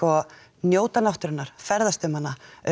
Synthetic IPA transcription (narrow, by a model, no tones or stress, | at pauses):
ɔ | njoːwt̪anawht̪ʏɾɪnːaɾ̥fɛɾðast̪ʏmana